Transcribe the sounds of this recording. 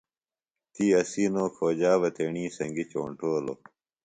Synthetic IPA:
t̪iːɐsiːnoːkʰoːd͡ʑaːʋɐt̪ʰeɳĩːsɐŋɡit͡ɕo̰ːɳʈoːlo̰

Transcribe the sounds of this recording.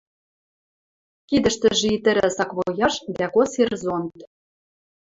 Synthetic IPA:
kid̪ə̆ʃt̪ə̆ʒit̪ɘ̆ɾɘ̆sɑkβojɑʃd̪ækoserzont̪

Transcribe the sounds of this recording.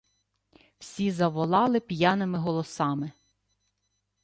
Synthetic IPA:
wsʲizɐʋɔlˠɑlˠɪpʲjanɪmɪɦɔlˠɔsɑmɪ

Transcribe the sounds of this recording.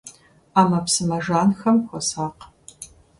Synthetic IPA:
aːmɐpsɨmɐʒaːnxɐmxʷɔsaːq

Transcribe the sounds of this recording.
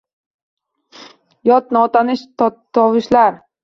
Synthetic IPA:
jɒt̪̚nɪɒt̪ʰanɪʃt̪t̪ʰɒwɪʃlaɾ

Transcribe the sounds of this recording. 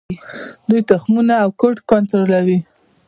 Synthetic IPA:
d̪ujt̪ʊxmunaːwkʊʈkɔnt̪ɾolawi

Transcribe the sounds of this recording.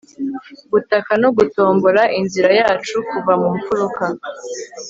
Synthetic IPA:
ɡutakanoɡuto̞ːmboɾaʔinziɾajaːt͡ʃukuvamuɱfuɾuka

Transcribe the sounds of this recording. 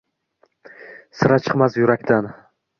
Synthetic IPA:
sɪɾat͡ʃʰɨ̥qmasjʊɾakʲt̪ʰan

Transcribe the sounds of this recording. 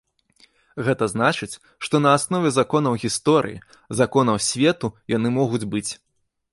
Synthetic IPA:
ɣɛt̪ɐznat͡ʂɨt͡sʲ | ʂt̪ɔnɐːsnɔvʲɛzakɔnɐwɣʲist̪ɔɾɨ̰jḭ | zakɔnɐwsʲvʲɛt̪ujanɨmɔɣud͡zʲbɨt͡sʲ

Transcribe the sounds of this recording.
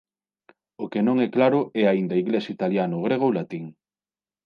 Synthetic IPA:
okenõŋɛklaɾʊɛaind̪ɐiɣlesit̪aljanʊɣɾeɣ̞olat̪iŋ

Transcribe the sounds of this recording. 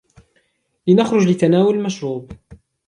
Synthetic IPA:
lɪnaxɾˤʊd͡ʒlɪt̪ːanaːwʊllmaʃɾuːb

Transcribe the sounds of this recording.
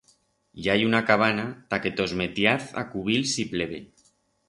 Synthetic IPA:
jajunakaβ̞anat̪aket̪ozmet̪jaθa̰kuβilsipleβe

